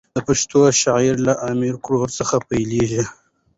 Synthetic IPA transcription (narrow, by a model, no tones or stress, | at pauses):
d̪əpaʃt̪oʃaʕiɾlaʔɑmɪɾkɽoɾsəxapajleʒi